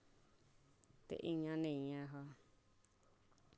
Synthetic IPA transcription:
t̪ḛʔĩɲãnĩɲãɦa

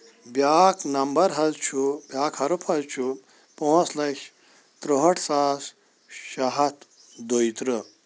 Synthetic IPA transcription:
bjaːknɐmbɐɾɦɐzt͡ʃʰubjaːkʰɐɾupʰɐzt͡ʃʰu | põːslɐɕʲ | t̪ɾoɦɐʈʰsaːs | ʃɐɦɐt̪ | d̪ojit̪ɾə

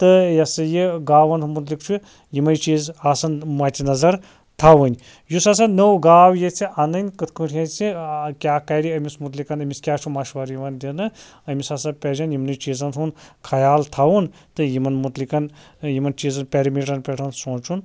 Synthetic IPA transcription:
t̪ɨjɐsɨjiɡaːʋɐnumut̪̬likt͡ʃʰu | jimɐjt͡ʃiːzaːsɐnmɐt̪ʰʲinɐzɐɾ | t̪ʰawɨnʲ | jusas̬anəwɡaːwjet͡sʰiʔɐnɨnʲkɨt̪kɨʈʰʲjɐnt͡sʰikʲaːkɐɾiɐmʲismut̪likɐnɐmʲiskʲaːt͡ʃʰumɐʃʋɐɾjimɐnd̪ʲinɨ | ɐmʲisɐsɐpʲed͡ʒʲɐnjimnɨjt͡ʃiːzɐnʰunkʰɐjaːlt̪ʰawun | t̪ɨjimɐnmut̪likɐn | jimɐnt͡ʃiːzɐnpʲeɾɐmiʈɐnpʲeʈʰɐnsõːt͡ʃʰun

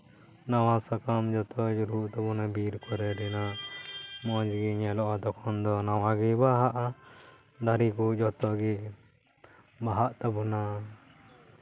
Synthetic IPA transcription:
nawasakamd͡ʒɔt̪ʰɔd͡ʒɔɾuʔt̪abunabiɾkʰɔɾɛɖɛna | mɔd͡ʒɡiɲɛlɔʔad̪ɔkʰɔnd̪ɔnawãɡibaɦaʔa | d̪aɾikud͡ʒɔt̪ɔɡi | baɦaʔt̪abuna

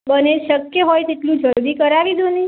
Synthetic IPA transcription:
bəneʃəkjəɦojt̪eʈlũd͡ʒʱəɾuɾikəɾaʋid͡ʒ̪oni

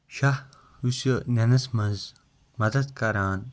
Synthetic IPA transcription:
ʃah | usjonʲɐnɐsmɐ̃nz | mɐd̪ɐd̪kɐɾaːn

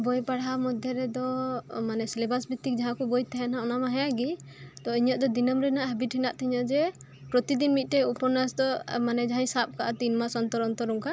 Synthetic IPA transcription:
bɔjpaɽamɔd̪ʱjɔɾɛd̪ɔmanɛsɛlɛbasbit̪ːik̚d͡ʒaɦãkɔbɔjt̪ɛɦɛnaɔnamaɦɛjaɡi | t̪ɔiɲɔʔ̚d̪ɔd̪inɔmɾɛnaʔɦəbiʈʰinaʔt̪ʰiɲɔd͡ʒɛ | pɾɔt̪id̪inmit̪̚ˀʈɛupɔnasd̪ɔmanɛd͡ʒaɦĩɲsap̚kaʔat̪inmasɔnt̪ɔɾɔnt̪ɔɾɔŋka

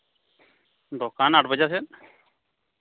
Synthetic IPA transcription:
d̪ɔkanaʈ̚ʰbəd͡ʒasɛt̪

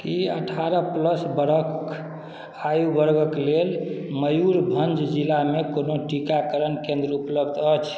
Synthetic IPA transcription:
kiə̰ʈʰaɾəpləsbəɾək | ajubəɾɡəklelməjuɾbʱənd͡ʒd͡ʒilamekonoʈikakəɾənkẽnd̪ɾupləbd̪ət͡ʃʰ

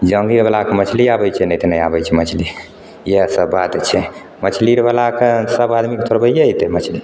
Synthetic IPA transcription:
d͡ʒəŋɡiɾbalakemət͡ʃʰliabəjt͡ʃʰɛnɛjt̪enəja̰bət͡ʃʰɛmət͡ʃʰli | jasəbːat̪t͡ʃʰɛ | mət͡ʃʰliɾbalakesəbad̪mikt̪ʰoɾbəjait̪emət͡ʃʰli

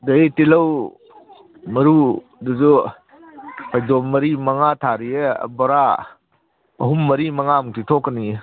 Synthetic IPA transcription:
deitilɐw | mɐɾu | duzu | pʰajdɔmːɐɾimɐŋatʰaɾijḛbɔɾa | ɐɦumːɐɾimɐŋamutʰitʰɔkːɐni

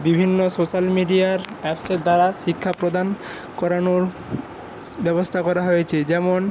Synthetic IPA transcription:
bibʱinːosoʃalmiɖiaɾɛpseʈ̚d̪aɾaʃikʰːapɾod̪an | kɔɾanoɾ | bɛbost̪ʰakɔɾaɦojet͡ɕʰed͡ʑɛmon

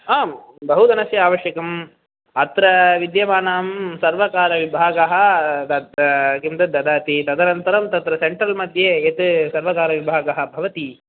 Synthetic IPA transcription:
aːm | bɐɦud̪ɐnɐsjɐaːʋɐʂjɐkɐm | ɐt̪ɾɐʋid̪jɐʋaːnaːmsɐɾʋɐkaːɾɐʋibʱaːɡɐɦɐ̆t̪ɐkimt̪ɐd̪ɐd̪aːt̪it̪ɐd̪ɐnɐnt̪ɐɾɐmt̪ɐt̪ɾɐseɳʈɾɐlmɐd̪ʱjeet̪sɐɾʋɐkaːɾɐʋibʱaːɡɐɦɐ̆bʱɐʋɐt̪i

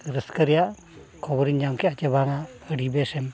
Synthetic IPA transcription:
ɾəskəɾija | kʰɔbɔɾiɲd͡ʒamkʰeat͡ʃebʱaŋaəɽibesɛm

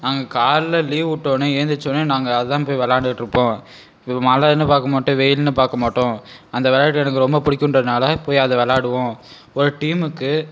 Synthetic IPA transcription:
naːŋɡɐkaːɾlɐliːʋʊʈːõːnɯeːnd̪ɯt͡ʃːonːɯnaːŋɡɐːðɯt̪ãːpoːjiʋɛlaːɖɯʈːɾɯpːõː | maːlaðnɯpaːɾkɐmaːʈːõʋɛjɪlnɯpaːɾkɐmaːʈːõɐnd̪ɐʋɛlaːʈːɯɛnɐkːɯɾɔmbɐpʊɽɪkʲːʊɳndrɐðɯnaːlɐpoːjiɐðɐʋɛlaːɽɯʋõ | ɔɾɯʈiːmɯkːɯ

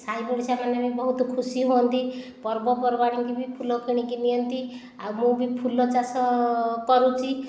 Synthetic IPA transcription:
sajbɔɽsamanemebɔɦut̪ɔkʰusiɦont̪ipɔɾbɔpɔɾbaɽ̃iŋkibipʰulɔkʰiɽ̃ikinijɔnt̪i | awmũbʱipʰulɔt͡ʃasɔkɔɾut͡ʃʰi

